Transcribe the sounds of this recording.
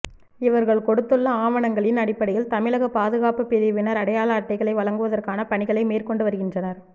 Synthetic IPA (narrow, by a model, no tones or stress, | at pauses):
ɪʋɐɾɣɐɭkɔɽɯt̪ːɯɭːɐaːʋɐnɐŋɡɐɭɪnɐɽɪpːɐɽɐjɪlt̪ɐmɪɭɐɣɐpaːðɯɣaːpɯpːɪðɪʋɪnɐɾɐɽɐjaːlaːʈːɐɪɣɐɭɐɪʋɐɭɐŋɡɯʋɐðɐrkaːnɐpɐɳɪɣɐɭɐɪmeːrkɔɳɖɯʋɐɾɯɣɪndrɐnɐɾ